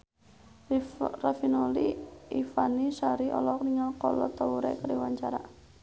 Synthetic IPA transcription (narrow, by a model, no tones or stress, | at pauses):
rafinoliifanisaɾiʔɔlɔk̚niŋakɔlɔ̰t̪auɾɛ̰kəɾiwaɲt͡ʃaɾa̰